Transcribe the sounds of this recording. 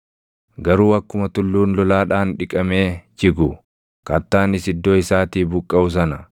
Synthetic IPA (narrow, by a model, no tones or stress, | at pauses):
ɡɐɾuːɐkːʊmɐt̪ʊlːuːnlɔlaːᶑaːnᶑɪkʼɐmeːt͡ʃɪɡʊ | kɐt̪ːaːnɪsɪd̪ːoːɪsaːt̪iːbʊkʼːɐʊs̬ɐnɐ